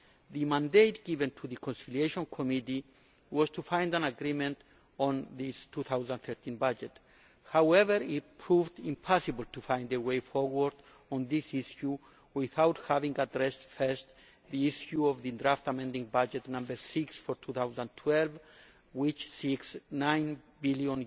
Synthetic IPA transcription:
ðɨmãndetɡ̥ivɛ̃ntʰuðɨkʰɔ̃nsilieʃɔ̃nkʰɔmiti | wɔz̥tʰufãj̃ndãnaɡɾimɛ̃nt | ɔ̃nðistʰuθawzãnθɛ˞t̪ʰĩnbad͡ʒɛt | hawɛvəɹit̚pʰɹuvdĩmpʰasɨbl̩tʰufãj̃ndəweɪfɔɹwəɹd̪ | ɔ̃nðisiʃju | wɪθawthavĩŋɡadɹɛstfɛ˞st̪ | ðiiʃjuɔvðɨdɹaftamɛ̃ndĩŋbad͡ʒɛtnʌ̃mbə˞siksfɔɹt̪ʰuθawzãntʰwɛlv | wit͡ʃsiksnãj̃nbiljɔ̃n

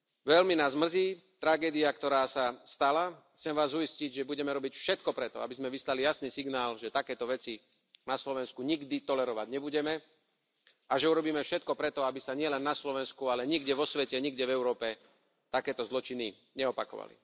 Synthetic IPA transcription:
ʋɛlminaːzmr̩ziː | t̪ɾaɡɛːd̪iakt̪ɔɾaːsast̪alaxt͡sɛmʋaːzuisciɟʒɛbuɟɛmɛɾɔbicfʃɛt̪̚kɔpɾɛt̪ɔ̰abizmɛʋislalijasniːsiɡnaːlʒɛt̪akɛːt̪ɔʋɛt͡si | naslɔʋɛnskuɲiɡd̪it̪ɔlɛɾɔʋaɟɲɛbuɟɛmɛ | aʒɛuɾɔbiːmɛfʃɛt̪̚kɔpɾɛt̪ɔabisaɲɪɛlɛnːaslɔʋɛnskualɛɲiɡɟɛʋɔsʋɛcɛɲiɡɟɛvɛʊɾɔːpɛ | t̪akɛːt̪ɔzlɔt͡ʃini | ɲɛɔpakɔ̰ʋa̰lḭ

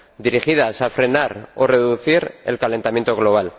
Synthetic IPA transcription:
d̪iɾixið̞asafɾe̞naɾo̞̰re̞ðuθiɾe̞̰lkale̞nt̪amje̞nt̪oɣ̞lo̞β̞al

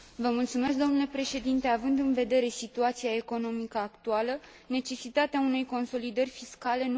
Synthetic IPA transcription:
vəmult̪sume̞s̬k̚d̪o̞mnule̞pɾe̞ʃe̞d̪int̪e̞avɨnd̪ɨnve̞d̪e̞ɾe̞sit̪uat̪siae̞ko̞no̞mikəakt̪ualə | ne̞t͡ʃe̞sit̪at̪eaune̞jko̞nso̞lid̪ərʲfiskale̞n

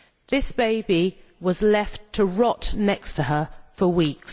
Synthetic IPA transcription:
ðɪsb̥eɪbiwʌzlɛftʰəɹɒʔnɛkstʰəəfəwiˑks

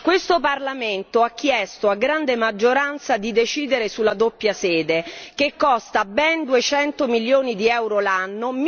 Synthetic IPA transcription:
kwest̪oparlament̪oak̟ːjɛst̪oaɡɾand̪emad͡ʒːoɾant̪sad̪id̪et͡ʃiːd̪eɾesulːad̪opːjasɛːd̪ekekːɔst̪abɛnd̪uet͡ʃɛnt̪omiljoːnid̪iɛwɾolanːom

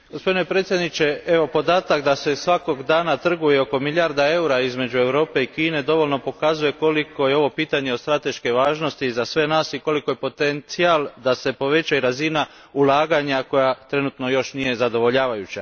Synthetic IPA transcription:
ɡospo̞d̪inepɾet̪sjed̪nit͡ɕe̞e̞ʋo̞po̞d̪aːt̪akd̪ase̞sʋako̞ɡd̪aːnat̪r̩ɡujeo̞ko̞milʎʲaɾd̪ae̞uɾaizme̞d͡ʑue̞ʋɾo̞ːpe̞ikiːne̞d̪o̞ʋo̞lno̞po̞kazuje̞ko̞likʰo̞jeo̞ʋo̞piːt̪aɲe̞ost̪ɾat̪e̞ʃke̞ʋaːʒno̞st̪izasʋe̞naːsiko̞liko̞je̞po̞t̪ent̪sialˠd̪ase̞po̞ʋe̞t͡ɕaiɾazina | ulˠaːɡaɲako̞jat̪ɾe̞nut̪no̞jo̞ʃnije̞zad̪o̞ʋo̞ʎaːʋajut͡ɕa

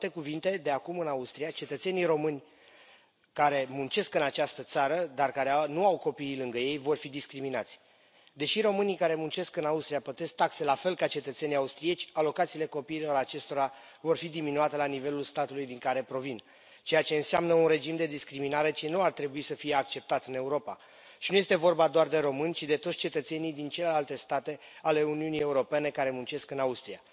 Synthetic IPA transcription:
t̪e̞kuvint̪e̞d̪e̞akumɨnaust̪ɾijat͡ʃe̞t̪ət̪se̞nijɾo̞mɨnʲ | kaɾe̞munt͡ʃe̞skɨnat͡ʃast̪ət̪saɾəd̪arkaɾeanuawko̞piːlɨŋɡəje̞jvo̞rfid̪iskɾiminat̪sʲ | d̪e̞ʃiɾo̞mɨnijkaɾe̞munt͡ʃe̞skɨnaust̪ɾijapət̪est̪akse̞lafe̞lkat͡ʃe̞t̪ət̪se̞nijaust̪ɾije̞t͡ʃʲalo̞kat̪sile̞ko̞piːlo̞ɾat͡ʃe̞st̪o̞ɾa | vo̞rfid̪iminuat̪elanive̞lulst̪at̪ulujd̪iŋkaɾe̞pɾo̞vin | t͡ʃe̞jat͡ʃe̞ɨnseamnəunre̞d͡ʒimd̪e̞d̪iskɾiminaɾe̞t͡ʃenuart̪ɾe̞buisəfije̞ak̚t͡ʃe̞p̚t̪at̪ɨne̞uɾo̞pa̰ | ʃinuje̞st̪e̞vo̞rbad̪oard̪e̞ɾo̞mɨnʲt͡ʃid̪e̞t̪ot̪sʲt͡ʃe̞t̪ət̪se̞nijd̪int͡ʃe̞le̞lalt̪e̞st̪at̪e̞ale̞uniunije̞uɾo̞pe̞ne̞kaɾe̞munt͡ʃe̞skɨnaust̪ɾija̰

